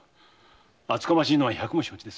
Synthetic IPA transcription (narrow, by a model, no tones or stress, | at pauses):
at͡sɨ̥kamaɕiːno̞βaçakɯ̟moɕoːt͡ɕid̪es